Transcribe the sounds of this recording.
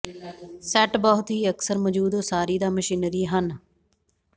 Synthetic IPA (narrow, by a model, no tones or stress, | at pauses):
sɛːʈbɔɦʊt̪ɦiːəksəɾmɔːd͡ʒuːd̪oːsaːɾiːd̪aːməʃiːnɾiːɦən